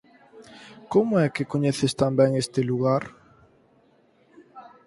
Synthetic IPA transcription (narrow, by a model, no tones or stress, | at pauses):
komʊɛkɪkoɲɛθest̪ambɛŋest̪ɪluɣaɾ